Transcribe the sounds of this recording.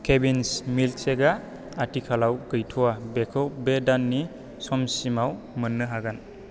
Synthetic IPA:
kʰebinsmilseɡa | atikʰalawɡɯjtʰuwabekʰɯwbedanːi | sɔmsimaw | mənːɯɦaɡan

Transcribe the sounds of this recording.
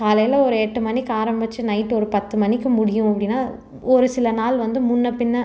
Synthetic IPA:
kaːlɐjɪlɐɔɾɯɛʈːɯmɐnːɪkːaːɾɐmbɐt͡ʃːɯnɐɪʈːɔɾɯpɐt̪ːɯmɐnːɪkːɯmʊɽɪjʊ̃ɐpːɐɽɪnːaː | ɔɾɯsɪlɐnaːlʋɐnd̪ɯmʊnːɐpɪnːɐ

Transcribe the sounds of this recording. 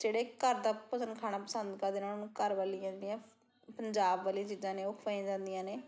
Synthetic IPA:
d͡ʒeːɽeːkəɾd̪aːpəsənkʰaːnaːpəsənd̪kəɾd̪enaːnũːkəɾʋaːliãːnd̪ijãː | pəɲd͡ʒaːbʋaːlĩãt͡ʃiːzãːneːʊkʰʋaːĩãd͡ʒãːnd̪ijãːneː

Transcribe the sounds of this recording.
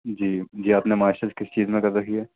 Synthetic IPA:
d͡ʒiːd͡ʒiːaːpnemaːʃəd͡ʒkɪst͡ʃiːzmẽkɐɾɾɐkʰiɦɛː

